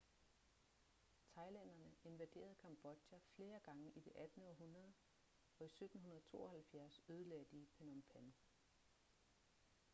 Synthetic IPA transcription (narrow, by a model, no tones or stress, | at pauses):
t͡sʰɑ̈ɪlæn̰ɐnəe̝nʋæd̥e̝̰ːɐð̞̩ˠkʰɑ̈mb̥ɒ̽d̥jæfle̝ːɐɡ̥ɑ̈ŋəʔid̥e̝ʔæd̥n̩ɒ̽ɦunɐðˠ | ɒ̽isød̥n̩ɦunɐðˠt͡sʰo̝̰ːɒhælfjæɐsøð̞ˠəlæd̥iːpʰenɒmpʰæn